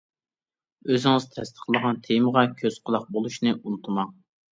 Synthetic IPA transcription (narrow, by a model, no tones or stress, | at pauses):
øzɪŋɪzt̪ʰɛ̰st̪ʰə̥χlˠəʁɑnt̪ʰejməʁɑkʲʰøz̥qʰəlˠɑq̚bolˠuʃnɨʔunut̪ʰɨmɑŋ